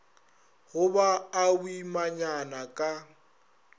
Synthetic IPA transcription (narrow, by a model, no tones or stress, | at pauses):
ɣʊbaːbimaɲanakʼa